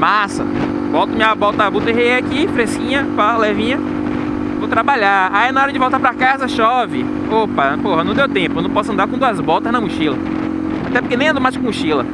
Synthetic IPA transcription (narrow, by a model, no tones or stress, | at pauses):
masɐ̰ | vɔwt̪ʊmɪabɔwt̪ɐbut̪eɦeeakifɾeskĩɲɐpalɛvĩɲɐ | vowt̪ɾabaʎaainaɔɾɐd͡ʒɪvɔwˠt̪aɾpɾakazɐʃɔvɪ | opɐpohɐnɐ̃w̃d̪ewt̪ẽpʊnɐ̃w̃pɔsʊɐ̃nd̪aɾkõd̪uɐzbɔwt̪ɐznɐmʊʃilɐ | at̪ɛp̬ʊɾkenẽj̃ɐ̃d̪owmajskõmuʃilɐ